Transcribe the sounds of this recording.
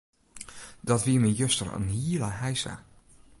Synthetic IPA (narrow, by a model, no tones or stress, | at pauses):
dɑtʋiːmijøstərə̰nɦiləɦɛjsa̰